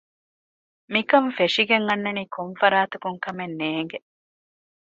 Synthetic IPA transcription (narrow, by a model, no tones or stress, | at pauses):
mikɐɱfeʂiɡeŋɐnːɐniːkʰoɱfɐɾaːt̪ukuŋkɐmenːeːŋɡe